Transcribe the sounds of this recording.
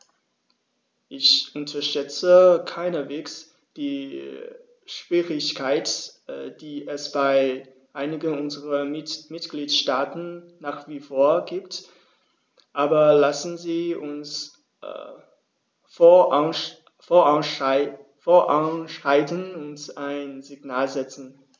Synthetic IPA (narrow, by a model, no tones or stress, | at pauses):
ʔɪçʔʊntʰɐʃtɛt͡səkʰaɪnɐveːks | d̥iː | ʃv̥iːʁɪçkʰaɪtd̥iːʔɛsb̥aɪ | ʔaɪnɪɡənʊnzəʁɐmɪtɡ̥liːtʃtaːtn̩naːχv̥iːfoːɐɡiːp̚t | ʔaːbɐlasn̩ziːʔʊns | foːɐʔaʃfoːɐʔanʃaɪtənʊntaɪnzɪɡnaːlzɛt͡sn̩